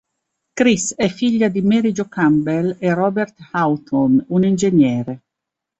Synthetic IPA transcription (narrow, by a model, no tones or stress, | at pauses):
kɾisɛfːiʎːad̪imeɾid͡ʒokambelerɔːbert̪hawt̪ʰonunind͡ʒenjɛːɾe